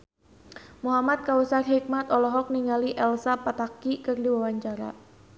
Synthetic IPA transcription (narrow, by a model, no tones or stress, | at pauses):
muɦamat̪̚kawəsarɦik̚mat̪ɔlɔɦɔk̚niŋaliʔɛlsapat̪akikɨrdiwawaɲt͡ʃaɾa̰